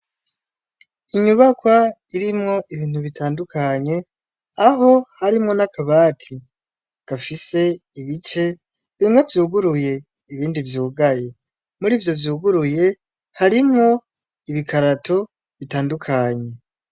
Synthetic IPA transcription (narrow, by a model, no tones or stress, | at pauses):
iɲuβakwaiɾimŋo̞ʔiβiːn̥huβitʰaːndukaɲe̞ | aɦo̞haɾimŋo̞nakʰaβaːtʰi | ɡ̥afise̞iβit͡ʃe̞ | βiimɡavjuːɡuɾuje̞ | iβiːndivjuːɡaje̞ | muɾiːvjo̞vjuːɡuɾuje̞ | haɾimŋo̞ | iβikaɾatʰo̞ | βitaːndukʰaɲe̞